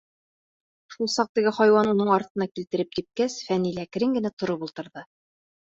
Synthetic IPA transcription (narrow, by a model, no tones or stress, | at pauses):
ʃulˠsɑq̚t̪ɘ̆ɡɘχɑjwɑnunɤɴɑɾt̪ɤ̆nɑkilt̪ɘ̆ɾɘp̚kip̪̚kæsfænilækɘ̆ɾɘŋɡɘ̆næt̪ŏɾɤpulˠt̪ɤ̆ɾðɤ